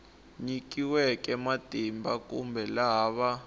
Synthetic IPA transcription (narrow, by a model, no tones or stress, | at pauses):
ɲikiwɛk̬ʼɛmatʼimbakʼumbʱɛlaːβa